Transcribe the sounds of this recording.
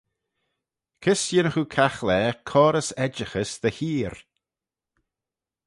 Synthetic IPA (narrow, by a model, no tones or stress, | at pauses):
kʰɪsjɪnəxukʰaxlɛːkʰɔːɾəsɛd͡ʒəxəsðəhiːɾ